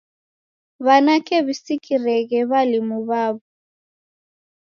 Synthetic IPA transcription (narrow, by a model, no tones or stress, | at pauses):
βanakɛβisikʼirɛɣɛβalimuβaːβɔ